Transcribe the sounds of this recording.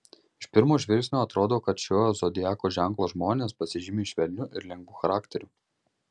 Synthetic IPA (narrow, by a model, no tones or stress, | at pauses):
ɪʃpʲɪɾmuːʒʲʋʲɪɾʲkʲsʲnʲoːɐt̪ɾoːd̪oːkɐt̪ʃʲoːjoːzoːd̪ʲɪjɑːkoːʒʲæŋˑklˠoːʒmoːnʲeːspɐsʲɪʒʲɪmʲeʃʲʋʲɛlʲnʲʊʔɪɾlʲɛŋɡʋʊːxɐɾɑːkʲt̪ʲɛɾʲu